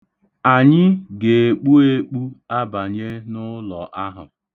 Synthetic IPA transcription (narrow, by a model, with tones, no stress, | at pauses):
a˨ɲɪ˦ɡe˨e˨k͡pu˦e˦k͡pu˦a˦ba˨ɲe˦nʊ˦lɔ˨ʔa˦ɦʊ̰˨